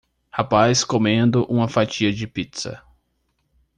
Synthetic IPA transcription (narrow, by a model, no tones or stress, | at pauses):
hapajskomẽnd̪ʊʔũmɐfat͡ʃiɐd͡ʒɪpit̪sɐ̰